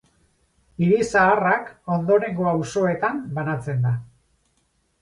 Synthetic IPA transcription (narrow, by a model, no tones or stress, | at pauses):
iɾisaːrako̞nd̪o̞ɾe̞ŋɡo̞awso̞e̞t̪ambanat͡se̞nd̪a